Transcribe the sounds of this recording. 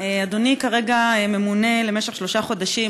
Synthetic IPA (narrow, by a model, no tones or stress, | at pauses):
ead̪onikaʁe̞ɡaememune̞lemeʃeχʃlo̞ʃaχo̞daʃi